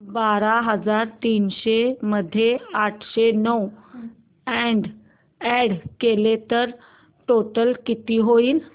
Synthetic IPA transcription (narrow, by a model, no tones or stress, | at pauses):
baɾaɦəd͡zaɾt̪iːnɕeməd̪ʱːjeaʈʰɕenəw | ɛɳɖ | ɛɽkelet̪əɾ | ʈoʈəlkit̪iːɦoiːl